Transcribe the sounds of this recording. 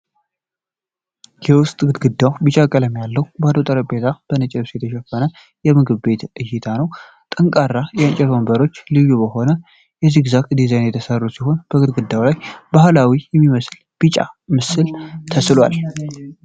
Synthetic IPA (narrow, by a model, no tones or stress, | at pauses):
jɛwʊst̪ʼɡɨd̪ɡɨd̪ːawbɨt͡ʃʼakʼələmjalːəwbad̪ot̪ʼəɾəbe̞t̪ʰab̥ənɨt͡ʃʼɛlsjɛt̪ʰəʃɛfːənə | jɛmɨɡɨβbe̞t̪ɨjːɪt̪ʰanəw | t̪ʼəŋkʼarːajɛənt͡ʃʼɛt̪ʰombəɾo̞t͡ʃːlɨjubəho̞nə | jɛziɡɨzakd̪izajnjɛt̪ʰəsərːusiɦo̞nb̥əɡɨd̪̚ɡɨd̪ːawlajbahlawijɛmːiməsl | b̥ɨt͡ʃʼa̰mɨsɨlt̪ʰəslwa̰l